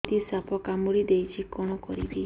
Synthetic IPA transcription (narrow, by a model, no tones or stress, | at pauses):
d̪isapʰɔkamuɾid̪ejt͡ʃʰikɔɽ̃ɔkɔɾḭbi